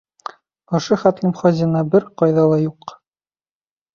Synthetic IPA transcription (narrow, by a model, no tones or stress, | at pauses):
ŏʃɤχæt̪lɘmχɒzʲinɑbɘɾqɒjðɑlˠɑjuq